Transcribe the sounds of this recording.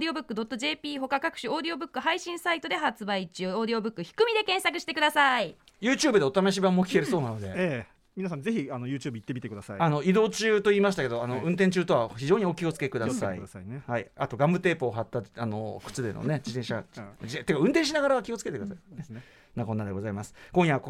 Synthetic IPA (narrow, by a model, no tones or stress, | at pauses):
d̪ʲio̞bɯ̟kːɯ̟d̪o̞t̪ːo̞ʑe̞ːpʲiːɦo̞kakakɯ̟̥ɕio̞ːd̪io̞bɯ̟kːɯ̟haiɕĩɰ̃sait̪o̞d̪e̞ɦat͡sɨbait͡ɕɨːoːd̪io̞bɯ̟kːɯ̟çi̥kɯ̟mʲid̪e̞kẽ̞ɰ̃sakɯ̟ɕi̥t̪e̞kɯd̪asai | jɯ̟ːt͡ɕɨːbɯd̪e̞ot̪amaɕ̬ibãmːokʲi̥keɾɯ̟so̞ːnano̞d̪e̞̰e | mʲinas̬ãnze̞çianojɯ̟ːt͡ɕɨːbɯit̪ːemʲit̪ekɯd̪asaiano̞id̪o̞ːt͡ɕɨːt̪o̞iːmasɕi̥t̪ake̞d̪oano̞ɯ̟̃nt̪ẽɲt͡ɕɨːt̪o̞βaçiʑo̞ːɲ̟io̞kʲio̞t͡sɨ̥ke̞kɯ̟d̪asa̰ḭhaiat̪o̞ɡãmbɯ̟t̪e̞ːpoːɦat̪ːaano̞kɯ̟̥t͡sɨd̪e̞̰no̰ne̞d͡ʑit̪ẽɕad͡ʑiẽt̪ekaɯ̃nt̪ẽɕ̬inaɡaɾaβakʲio̞t͡sɨ̥ke̞t̪ekd̪asaine | nako̞nːad̪e̞ɡo̞zaimasɨ̥kõɰ̃jaβak